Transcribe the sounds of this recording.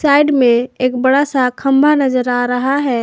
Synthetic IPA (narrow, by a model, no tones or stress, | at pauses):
sajɖmẽeːk̚bəɽasakʰəmbʱanəd͡ʒəɾaɾəɦaɦɛ